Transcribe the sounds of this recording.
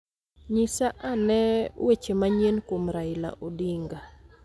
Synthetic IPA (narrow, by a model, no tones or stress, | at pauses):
ɲisaʔanɛwet͡ʃemaɲenkomɾaɪla̰ʔodiŋɡa